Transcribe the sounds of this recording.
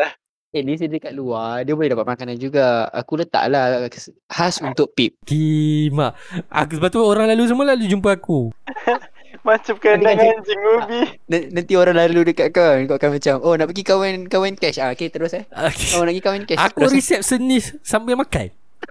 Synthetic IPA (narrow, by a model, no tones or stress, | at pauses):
ɛdisidəkaʔ̚luadiəbolɛhdapat̪̚maŋkanand͡ʒuɡaa̰kulət̪a̰ʔla | hasunt̪ʊʔ̚pip̚kimaʔa̰ksəbat̪uoɾaŋlalus̬əmalalud͡ʒumpəaku | mat͡ʃap̚kədaŋand͡ʒiŋubinanãnt̪ioɾaŋlaludəkaʔkakoʔakanmãt͡ʃamonaʔpəɡikawɛnkawɛnkɛsaket̪əɾʊsaokeonaʔɡikawɛnkɛsatk̪əuɾɾisɛp̚sənissambamaka̰n